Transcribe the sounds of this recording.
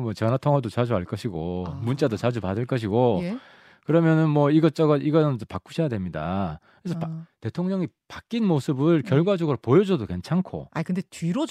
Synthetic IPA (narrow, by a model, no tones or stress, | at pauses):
mwʌt͡ɕʌnatʰoŋʌdot͡ɕad͡ʑuɦaɭk͈ʌɕʰiɡomunt͡ɕ͈adot͡ɕad͡ʑupadɯɭk͈ʌɕ̬ʰiɡo | kɯɾʌmjʌnɯnmwʌiɡʌt͡ɕ͈ʌɡʌʔiɡʌʌnt͡ɕ͈opak͈u̥ɕʰʌjadwemɲidakɯɾesʰʌpte̞tʰoŋɲʌŋi | pak͈inmosʰɯbɯɭkjʌɭɡwad͡ʑʌɡɯɾopojʌd͡ʑʌdoke̞nt͡ɕʰankʰo̰akɯndetɥiɾo